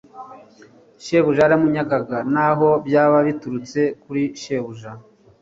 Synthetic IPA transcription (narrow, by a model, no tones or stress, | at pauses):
ʃe̞βuʒaɾamuɲaɡaɡanaɦo̞bjaːβaβituɾut͡se̞kuɾiʃe̞βuʒa